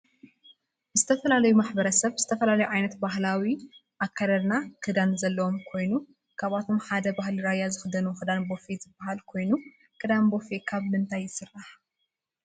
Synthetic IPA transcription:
zɨt̪ʰɐfɐlalɐjumaħbɐɾɐsɐβz̥ɨt̪ʰɐfɐlalɐjuʕajnɐt̪bahlawi | ʔakʰːaɾɐɾnakʰɨd̪anzɐlːɐwomkʰo̞jnu | kʰaβat̪ʰo̞mħad̪ɐbahliɾajːazɨxɨd̪ɐnuxɨd̪anbo̞fezɨbːaɦalkʰo̞jnu | kʰɨd̪anbo̞fekʰaβmɨnt̪ʰajːɪsɨrːaħ

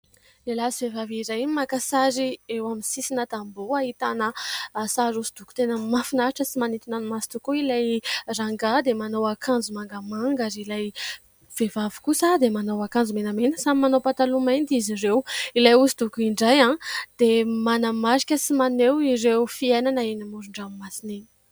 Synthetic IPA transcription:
lelasivevavizajinmakasaɾiewaminsisinət̪amboaɦit̪anəsaɾusid̪uku̥t̪enəmafinaʈ͡ʂəsimanit̪unanimasi̥t̪ukuilajraŋɡad̪emanowakʰand͡zumaŋɡəmaŋɡazilaj | v̥evavu̥kusəd̪emanowakand͡zumenamenəsamimanowpat̪alumand̪izirewilajusid̪ukuiɳɖ͡ʐajãd̪̥emanəmaɾikʲəsimanewiɾewfiejnanaenimuɾuɳɖ͡ʐammasinii̥

